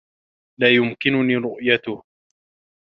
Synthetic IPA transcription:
laːjʊmkɪnʊniːɾʊʔjat̪ʊh

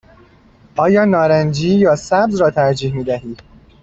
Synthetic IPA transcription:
ʔɒːjɒːnɒːɾænd͡ʒiːjɒːsæbzɾɒːt̪ʰæɾd͡ʒiːhmiːd̪æɦiːd̪̥

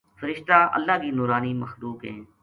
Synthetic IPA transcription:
fəɾɪʃt̪aːʔə̰lːaːkiːnuːɾaːniːməxluːkɦɛ̰̃ː

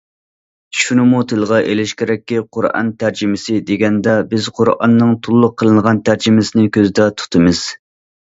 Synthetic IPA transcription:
ʃunɨmut̪ʰɨlˠʁɑʔelɪʃkʲeɾɛkʲːiqʰʊɾɑ̰nt̪ʰæɾd͡ʒɪmɪsɪd̪eɡʲɛnd̪ɛbɪz̥qʰʊɾɑ̰nːɨŋt̪ʰulˠːʊqʰːəlˠɨnʁɑnt̪ʰæɾd͡ʒɪmɪsɪnɪkʲøzɪd̪ɛt̪ʰu̥t̪ʰɨmɨz̥

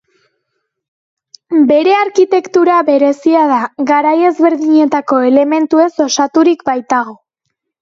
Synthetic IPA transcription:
be̞ɾe̞aɾkit̪e̞kt̪uɾaβe̞ɾe̞siaðaɣaɾaje̞zβe̞ɾðiɲe̞t̪ako̞e̞le̞me̞nt̪ue̞so̞sat̪uɾikbajt̪aɣ̞o̞

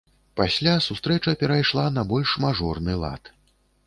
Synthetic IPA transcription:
pasʲlʲasust̪ɾɛt͡ʂɐpʲɛɾajʂlˠanɐbɔlʲʂmaʐɔrnɨlˠa̰t̪

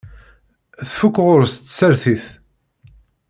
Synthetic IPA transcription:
θfukːʁʊɾst̪ːsəɾθiθ

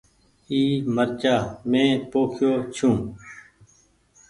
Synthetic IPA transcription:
iːməɾt͡ʃaːmẽːpoːkʰjoːt͡ʃʰũː

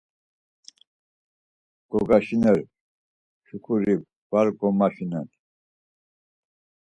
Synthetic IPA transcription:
ɡ̥ɔɡaʃinɛɾ | ʃukʰuɾi | b̥aɾɡɔmaʃinɛn

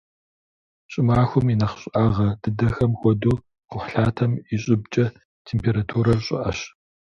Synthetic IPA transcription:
ɕʼɪmaːxʷʊminɐχɕʼʔaːʁɐd̥ɨdɐxɐmxʷɔduː | qʷʊħɬaːtʰɐmiɕʼɪbt͡ʃʼɐ | tʰeːmpʰeːɾatʰuːɾɐɕʼɪ̰ʔɐɕ

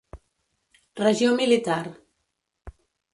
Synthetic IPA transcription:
rəʒiomilit̪aɾ

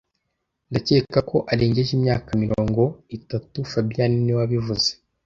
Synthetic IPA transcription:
ndace̞ːkako̞ʔaɾeːɲɟeʒimɲaːkamiɾoːŋɡo̞itatufabijaniniwaβivuze

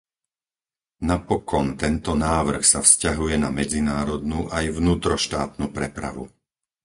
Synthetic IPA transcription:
napɔkɔnt̪ɛnt̪ɔnaːʋr̩xsafscaɦujɛnamɛd͡zinaːɾɔd̪nuːʔajvnuːt̪ɾɔʃt̪aːt̪nupɾɛpɾa̰ʋṵ

